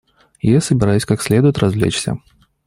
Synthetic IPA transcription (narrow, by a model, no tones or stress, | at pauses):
jasəbʲɪɾajʊsʲkaksʲlʲed̪ʊjɪt̪rɐzvlʲḛt͡ɕsʲə̰